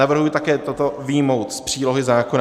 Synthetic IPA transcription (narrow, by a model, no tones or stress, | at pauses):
avr̩ɦujɪt̪akɛːt̪ot̪o̞vɪjmo̞wt̪spr̝̥iːlo̞ɦɪzaːkona